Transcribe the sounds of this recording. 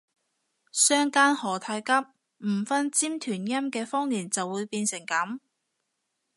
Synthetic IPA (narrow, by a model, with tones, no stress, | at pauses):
sœː˥ŋkaː˥nhɔː˨˩t̪ʰaː˧jkɐ˥p̚ | m̩˨˩fɐ˥nt͡siː˥mt̪ʰyː˨˩njɐ˥mkɛː˧fɔː˥ŋjiː˨˩nt͡sɐ˨wːuː˨˧jpiː˧nsɪ˨˩ŋkɐ˨˥m